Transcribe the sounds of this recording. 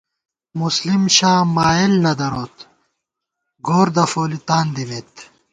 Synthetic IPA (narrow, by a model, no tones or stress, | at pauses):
muslimɕaːmaːelnɐd̪ɐɾoːt̪ | ɡoːɾd̪ɐfoːlit̪aːnd̪imet̪